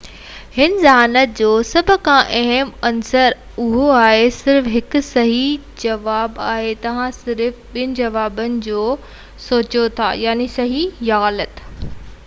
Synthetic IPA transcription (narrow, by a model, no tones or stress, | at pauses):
hɪnzaːnət̪̚d͡ʑoːsɐbʱʊ̆kʰãʔɐɦəmɐnsəɾ | ʊɦoaːɦesɪɾfɦɪkʊ̆sɐɦi | d͡ʑɐʋaːbaːɦet̪ɐʋ̤ãsɪɾfɓɪnɪ̆d͡ʑɐʋaːbənɪ̆d͡ʑoː | soːt͡ɕot̪ʰa̰ːjaːnisɐɦijɐːlət̪